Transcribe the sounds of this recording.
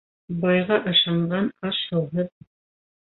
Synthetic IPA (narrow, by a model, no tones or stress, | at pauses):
bɑjʁɑʔɤ̆ʃɑɴɢɑnɑʃɤ̆w̪ˠɦɤð